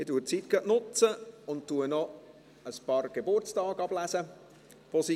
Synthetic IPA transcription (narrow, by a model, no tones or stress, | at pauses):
ɪduət͡sit̚ɡ̥œʔnʊt͡səʊntuənɔ | əspɑːɾrɡ̥ebʊrt͡stɑːɡɑb̥læsə | ʋosi